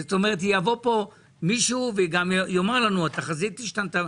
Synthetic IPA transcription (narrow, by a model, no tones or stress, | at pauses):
zet̪omeʁet̬javo̞po̞ | miʃuːveɡamjo̞maʁlanuat̪aχazit̪ːiʃtant̪a